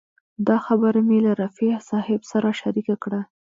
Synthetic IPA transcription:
d̪ɑxabəɾamelaɾafisɑhɪbsaɾaʃaɾikakɽa

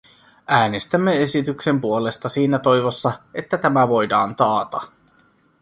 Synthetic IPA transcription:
æːnest̪æmːe̞e̞sit̪ykse̞mpuo̞le̞st̪ɑsiːnæt̪o̞jʋosːɑe̞t̪ːæt̪æmæʋo̞jdɑːnt̪ɑːt̪ɑ

